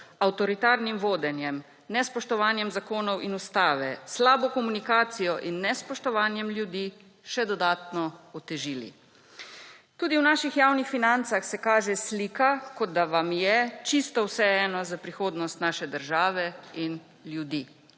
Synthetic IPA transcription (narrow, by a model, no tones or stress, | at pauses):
awt̪ɔɾit̪aːɾnimʋoːd̪ɛnjɛm | nɛspɔʃt̪ɔʋaːnjɛmzakoːnɔwʔinust̪aːʋɛslaːbɔkɔmunikaːt̪sijɔʔinːɛspɔʃt̪ɔʋaːnjɛmlʲjud̪i | ʃɛd̪ɔd̪aːt̪nɔɔt̪ɛʒiːlḭ | t̪uːd̪iwnaːʃixjaːwnixfinant̪saxsɛkaːʒɛsliːkakɔd̪d̪aʋamjɛt͡ʃist̪ɔwsɛɛɛnɔzapɾixoːd̪nɔst̪naːʃɛd̪əɾʒaːʋɛin | ljud̪iː